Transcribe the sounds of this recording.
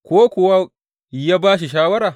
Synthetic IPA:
kʷoː˦kʷʊ˨wa˦ | jaː˦baː˦ʃ̬i˨ʃ̬aː˦wɐ˦ɾaː˨

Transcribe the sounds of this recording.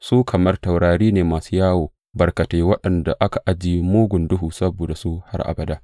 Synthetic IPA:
suː˦kʰɐ˨mɐ˦rtɐ˨wɽaː˨ɾiː˦neː˨maː˨su˦jaː˦woː˨ | bɐ˨rkɐ˨teː˨˦wɐ˦ɗɐ˨nda˨ʔa˦ka˨ʔa˨d͡ʒiː˦moː˦ɡʷʊ˨ndʊ˦ɦuː˨sɐ˦boː˨da˨su˦ha̰˦rʔa̰˨bɐ˨daː˦ʔ

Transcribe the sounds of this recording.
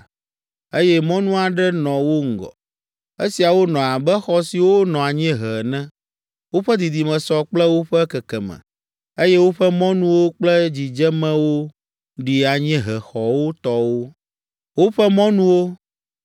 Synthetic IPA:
e˦jɛ˦mɔ̃˦nũ˦a˨ɖɛ˦nɔ̃˨wo˦ŋ̩˦ɡɔ̰˨ | e˦si˨a˨wo˦nɔ̃˨a˨bɛ˦xɔ˦si˨wo˦nɔ̃˨a˨ɲɛ̃˦ɦɛ˨nɛ̃˦ | wo˦ɸɛ˦d̪i˨d̪i˨mɛ̃˨sɔ˨k͡plɛ˦wo˦ɸɛ˦kɛ˨kɛ˨mɛ̰̃˨ | e˦jɛ˦wo˦ɸɛ˦mɔ̃˦nũ˦wo˦k͡plɛ˦d͡ʑi˨d͡ʒɛ˦mɛ̃˦wo˦ | ɖi˨a˨ɲɛ̃˦ɦɛ˨xɔ˨wo˦t̪ɔ˦wo˦ | wo˦ɸɛ˦mɔ̃˦nũ˦wo˦

